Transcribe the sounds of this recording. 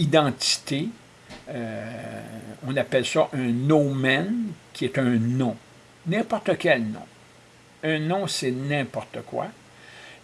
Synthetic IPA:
id̪ɑ̃t̪i̥t̪e | ø | ɔ̃napɛlsɔʔɛ̃nomɛnkʲiɛt̪œ̃nɔ̃ | nɛ̃pɔʁt̪əkʲɛlnɔ̰̃ | œ̃nɔ̃sɛnɛ̃pɔʁt̪əkwa̰

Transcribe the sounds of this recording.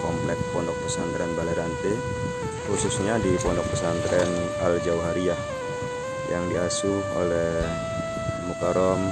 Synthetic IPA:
kɔmplɛk̚pɔndɔk̚pusant̪ɾɛnbalɛɾant̪e | kususɲadipɔndɔk̚pusant̪ɾɛn | ald͡ʒauɦaɾia | jaŋdiasuho̰lɛh | mut̪ɔɾɔm

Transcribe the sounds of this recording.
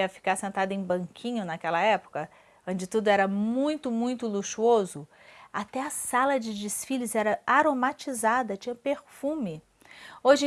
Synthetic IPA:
ɐfi̥kaɾsẽnt̪ad̪ʊẽj̃bɐ̃ŋkʰĩɲʊnakɛlɐɛpʊ̥kɐ | õd͡ʒɪt̪ud̪ʊɛɾɐmũj̃t̪ʊmũj̃t̪ʊluʃuozʊ | at̪ɛɐsalɐd͡ʒɪd͡ʒɪsfilʊzɛɾɐaɾomat͡ʃizad̪ɐt͡ʃĩɲɐpeɾfũmɪ | oʒɪ̃

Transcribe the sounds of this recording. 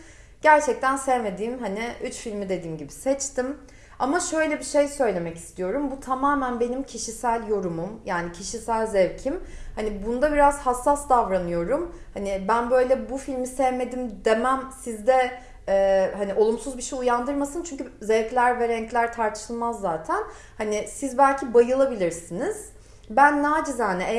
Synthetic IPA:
ɟ̥æɾt͡ʃʰɛc̚t̪ʰænsɛvme̞d̪iːmɦaniyt͡ʃfilʲmid̪e̞d̪iːmɟibisɛt͡ʃt̪ʰim | amaʃø̞jlʲɛbiʃejsø̞jlʲe̞mɛci̥st̪ʰijo̞ɾumbut̪ʰamaːmænbe̞nimcʰiʃisælʲjo̞ɾumumjaːnicʰiʃisælʲzɛvcʰimhanibund̪abiɾaz̥hasːasd̪avɾanɯjo̞ɾumhanibænbø̞jlʲɛbufilʲmisɛvme̞d̪imd̪emæmsizd̪ɛ | ɛːhaniʔo̞lˠumsuzbiʃejujand̪ɯɾmasɯnt͡ʃʰyɲcyzɛvclʲæɾvɛɾɛɲclʲæɾt̪ʰaɾt̪ʰɯ̥ʃɯlˠmazːaːt̪ʰæn | hanisizbælʲcʰibajɯlˠabilʲiɾsiniz̥ | bænːaːd͡ʒɯzaɦanɛe

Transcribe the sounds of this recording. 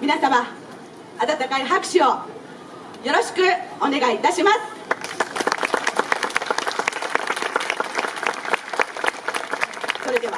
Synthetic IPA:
mʲinasama | at̪at̪akaiɦakɯ̟̥ɕio | jo̞ɾo̞ɕi̥kɯ̟one̞ɡait̪aɕimasɨ̥ | so̞ɾe̞d̪e̞βa

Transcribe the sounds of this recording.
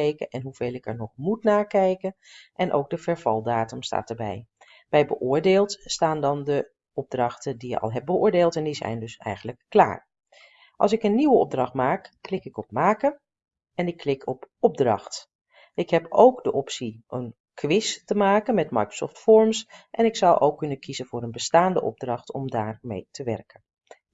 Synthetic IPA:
ejkənʔɛnɦuv̥ejlˠɪkɛ̰ɹnɔχmutnaːɹkɛjkən | ʔɛnʔo̰wɡ̚dəvɛɹv̥ɑ̰lˠdaːtəmsta̰ːtəɹbɛ̰j | b̥ɛjbəʔʊːɹdeːlˠtstaːndɑndə | ɔb̚drɑχtədijə̰ɑ̰lˠɦɛp̚bəʊːɹdeːlˠtɛndizɛ̰jndɵsɛ̰jχənləkːla̰ːɹ | ʔɑlˠsɪkənːiwəɔb̚drɑχtmaːkːlɪkɪkɔp̚maːkə | ɛnɪkʰːlɪkʰɔpɔb̚drɑ̰χt | ʔɪkɦɛpʰowkdəʔɔpsiʔən | kʰʋɪstəmaːkənmɛtmɑ̰jkɹə̥sɔ̰ftfɔɹmsʔɛnɪksʌwʔo̰wkːɵnənkʰizənvʊːɾənbəstaːndəʔɔ̰b̚drɑχtɔmdaːɹmḛjtʰəʋɛ̰rkən

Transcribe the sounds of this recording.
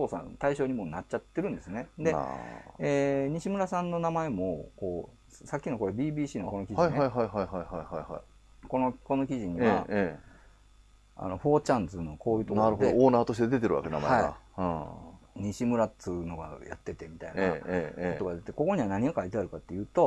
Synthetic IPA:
toːsã̰nt̪aiɕo̞ːɲ̟imo̞ːnatt͡ɕːat̪ːe̞ɾɯ̃nd̪e̞sɨne̞d̪e̞̰eːɲ̟iɕimɯ̟ɾasãnːo̞namae̞mo̞ko̞ː | sakʲːino̞ko̞ɾebʲiːbʲiːɕiːnoko̞no̞kʲiʑaiɦaiɦaiɦaiɦaihaihaiha̰i | ko̞no̞ko̞no̞kʲiʑiɲ̟iβa | a̰no̞ɸo̞ːt͡ɕãnd͡zɨno̞ko̞ːjɯ̟ːt̪onaɾɯɦoedooːnaːt̪o̞ɕ̬t̪e̞d̪e̞t̪e̞ɾɯ̰βa̰ke̞na̰ma̰eaa̰ɯ̃ɲ̟iɕimɯ̟ɾatɨɯno̞ɡa̰ja̰t̪ːe̞t̪e̞mʲit̪ainaot̪oɡad̪eet̪eko̞ko̞ɲ̟iβanaɲ̟iakait̪eaɾɯ̟kat̪ːe̞jɯ̟ːt̪o̞

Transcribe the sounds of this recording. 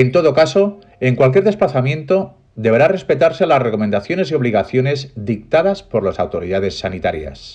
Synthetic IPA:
ent̪o̞ð̞o̞kaso̞ | e̞ŋkwalk̬je̞ɾðesplaθamjẽ̞nt̪o̞ | d̪e̞βeɾare̞spe̞t̪aɾse̞lasre̞ko̞mẽ̞nd̪aθjo̞ne̞sio̞βliɣaθjo̞ne̞zd̪ik̚t̪aðaspo̞ɾlasawt̪o̞ɾiðað̞e̞sːanit̪aɾja̰s

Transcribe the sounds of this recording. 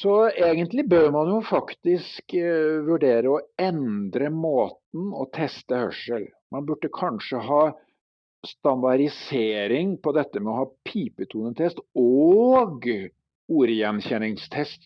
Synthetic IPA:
sɔeːɡənt̪lɪbøːɾmɑnjʊfɑkt̪ɪskʋʉɖeːɾəɔɛnd̪ɾəmoːt̪n̩ɔ̰t̪ʰɛst̪əhœ̰ʂəl | mɑnbʉɖːəkʰɑnʂəɦɑː | st̪ɑnd̪ɑɾɪseːɾɪŋpʰɔd̪ɛt̪ːəmɛɔhɑːpʰiːpət̪ʰuːnət̪ʰɛst̪ɔɡ | uːɾjɛnçɛnɪŋst̪ʰɛst̪

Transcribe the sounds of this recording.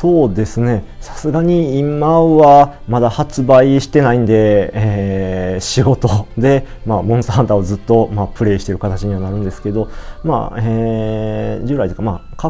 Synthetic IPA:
so̞ːd̪e̞sɨne̞ | sḁsɨɡaɲ̟iimːaoβa | mad̪ahat͡sɨbaiɕi̥t̪e̞naĩnd̪e̞e | ɕiɡo̞t̪od̪e̞maːmõ̞st̪aɦãnt̪aozɨt̪ːo̞maːpɯ̟ɾe̞ːɕi̥t̪e̞ɾɯ̟kat̪at͡ɕiɲ̟iβanaɾɯ̟̃nd̪e̞sɨ̥ked̪o̞ma̰e | d͡ʑɨːɾait̪ee̥kamaka

